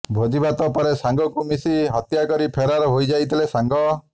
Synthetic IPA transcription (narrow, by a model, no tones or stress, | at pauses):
bʱod͡ʒibat̪ɔpɔɾesaŋɡɔkumisiɦɔt̪jakɔɾipʰeɾaɾɔɦojd͡ʒajt̪ʰilesaŋɡɔ